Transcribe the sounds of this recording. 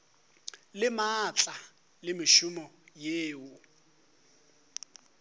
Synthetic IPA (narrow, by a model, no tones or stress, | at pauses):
lɪmat͡ɬʼa | lɪmɪʃʊmɔjeːʊ